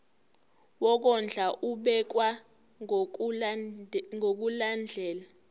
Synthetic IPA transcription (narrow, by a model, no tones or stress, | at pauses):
wɔk̬ɔnd͡ɮʱaʔuɓɛk̬wa | ŋok̬uland͡ɮʱɛːla